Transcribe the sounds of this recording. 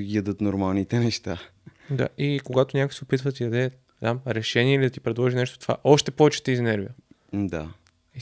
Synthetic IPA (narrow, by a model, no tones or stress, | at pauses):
ɡiəd̪ɤt̪noɾmalˠnit̪ɛnɛʃt̪a | d̪a̰ʔikoɡat̪onʲjakojsɛopit̪vət̪id̪ɐd̪ɛ | d̪amɾɛʃɛniɛilid̪ɐt̪ipɾɛd̪lˠɔʒinɛʃt̪o̥t̪o̥va̰ʔɔʃt̪ɛpɔvɛt͡ʃɛ̥t̪izinɛɾvḭjə | d̪a̰ | i